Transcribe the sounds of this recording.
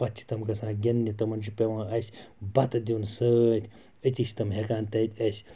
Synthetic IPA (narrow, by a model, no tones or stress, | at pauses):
pɐt͡ʃʰi̥t̪ɐmkɐsãːɡʲɐnːit̪ɐmɐnt͡ʃʰipʲeʋãːɐsʲbɐt̪ɨd̪ʲunsɨt̪ʲ | ɨt̪ʲiʃʲt̪ɐmɦekaːnt̪ɐt̪ʲɐsʲ